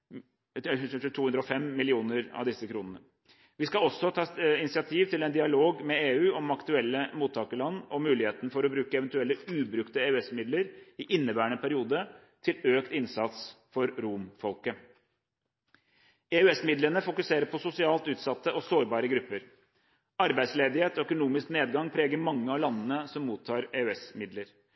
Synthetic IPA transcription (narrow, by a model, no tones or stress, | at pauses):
t̪ʰuːʉnd̪ɾəɔfɛmːɪlɪuːnəɾɑ̰ʋd̪ɪsəkʰɾuːnənə | ʋɪskɑɔsːɔt̪ʰɑːɪnɪsɪɑt̪ʰiːʋt̪ɪlɛnd̪ɪɑloːɡmɛeːʉːɔmɑkt̪ʉɛlːəmuːt̪ʰːɑːkəlɑnːɔmʉːlɪheːt̪nfɔɾɔbɾʉːkəɛʋɛnt̪ʉɛlːəʉːbɾʉkt̪əeʉɛsmɪd̪ləɾɪʔɪnːəbæːəɳəpʰæɾɪuːd̪ə | t̪ʰɪløːkt̪ɪnsɑt̪s | fɔɾɾumfɔlkə | eːʉɛsmɪd̪lənəfʊkʉseːɾəɾpʰɔsʊsɪɑːlt̪ʉːt̪sɑt̪ːəʔɔsoːɾbɑːɾəɡɾʉpːəɾ | ɑɾbæɪsleːd̪ɪheːt̪ɔœkʊnuːmɪskneːd̪ɡɑŋpʰɾeːɡəɾmɑŋːəɑlɑnːənəsɔmːuːt̪ʰːɑːɾeʉɛsmɪd̪ləɾ